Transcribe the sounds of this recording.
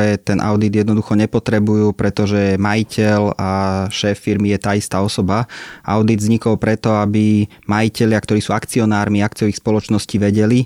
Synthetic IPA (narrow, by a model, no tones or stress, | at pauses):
ɛt̪ɛnʔa̰ʊd̪id̪jɛd̪nɔd̪uxɔɲɛpɔt̪ɾɛbujuːpɾʔɛt̪ɔʒɛmajicʰɛlaʃɛːfːiɾmijɛt̪aːist̪aːɔsɔbaa̰ʊd̪id̪zɲikɔlpɾɛt̪ɔabi | majicɛʎɪakt̪ɔɾiːsuːakt͡siɔnaːɾmiakt͡siɪɔʋixspɔlɔt͡ʃnɔsciːʋɛɟɛli